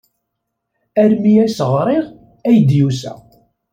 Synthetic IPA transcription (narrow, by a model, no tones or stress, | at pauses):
æɾmijæsəʁɾˤɪʁ | æjd̪jusæ̰